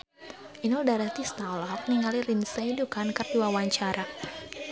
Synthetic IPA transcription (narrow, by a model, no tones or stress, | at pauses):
inɔldaɾat̪ist̪alɔk̚niŋalirinsajdukankərduwawaɲt͡ʃaɾa